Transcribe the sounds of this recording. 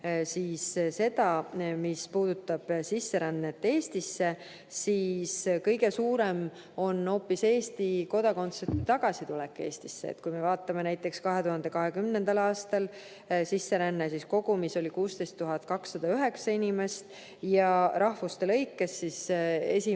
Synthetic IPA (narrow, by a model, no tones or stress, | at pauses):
sisse̞d̪ɑmispuːd̪̥ut̪ːˑɑb̥sisːe̞ɾænːet̪ːe̞ːst̪isːe̞ | siːskɤjɡe̞suːɾe̞m | o̞no̞ːpːˑise̞ːst̪iko̞d̪̥ɑko̞nt̪sepit̪ɑɡ̥ɑsit̪ulɛkːˑe̞ːst̪i̥sːḛt̪̚kujme̞vɑːt̪ːˑɑme̞næjt̪ːˑe̞kskɑɦe̞t̪uhɑnd̪e̞kɑɦe̞kymnend̪̥ɑlɑːst̪ɑl | sisːe̞ɾænːesisko̞ɡ̥umiso̞lʲikuːst̪e̞jst̪ːuɦɑt̪̚kɑksːɑd̪̥ɑyɦe̞ksɑinʲime̞st̪ | jɑɾɑhfust̪e̞lɤjkˑːe̞sːise̞̰sʲi